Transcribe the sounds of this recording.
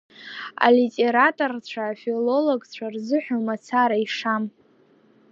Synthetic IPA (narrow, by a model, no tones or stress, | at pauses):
a̰litʼeɾatʼort͡ɕʷʰaːfʲilo̞loɡt͡ɕʷʰarzɨħʷᶣalmat͡sʰaɾaiʂam